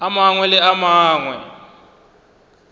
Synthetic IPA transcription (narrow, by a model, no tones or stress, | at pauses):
amaŋwɛlɛamaːŋwɛ̰